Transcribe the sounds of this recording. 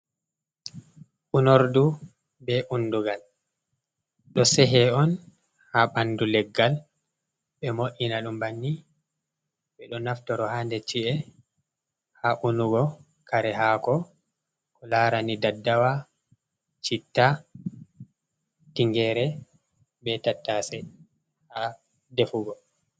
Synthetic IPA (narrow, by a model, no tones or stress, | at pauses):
ʔunoɾdu | bɛʔunːduɡal | ɗɔsɛɦɛɔn | haɓandulɛɡːal | ɓɛmoʔinaɗumbanːi | ɓɛɗɔnaftɔɾɔhandɛt͡ʃiʔɛ | haʔunuɡɔ | kʰaɾɛɦaːkɔ | kɔlaːɾanidadːawa | t͡ʃitːa | tiŋɡɛɾɛ | bɛtatːasɛ | ha | defuɡɔ